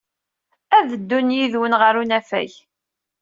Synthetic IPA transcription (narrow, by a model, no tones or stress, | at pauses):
æðəd̪ːunjiðwənʁəɾunæfæ̰j